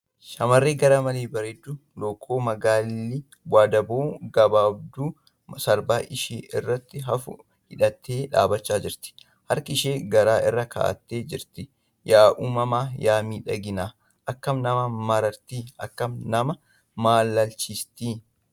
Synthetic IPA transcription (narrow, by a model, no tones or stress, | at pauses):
ʃɐmɐrːeːɡɐɾɐmɐleːbɐɾɛd̪ːʊloːkʰːo̞ːmɐɡaːlːi | waːd̪ɐboːɡɐbaːb̚d̪uː | sɐɾbaːʔɪʃḛːʔɪrːɐt̪ːɪɦɐfʊ̰ | hɪᶑɐt̪ʰːeːᶑa̰ːbɐt͡ʃːaːd͡ʒɪɾt̪ɪ̥ | hɐɾkɪɪʃeːɡɐɾaːʔɪrːɐkʰa̰ːʔɐ̰t̪ːeːd͡ʒɪɾt̪ɪ | jaːʔuːmɐmaːjaːmiːᶑɐɡɪnaː | ʔɐkːɐmnɐmɐmɐɾɐɾt̪iːɐ̰kːɐmnɐmɐ | maːlːɐlt͡ʃist̪iː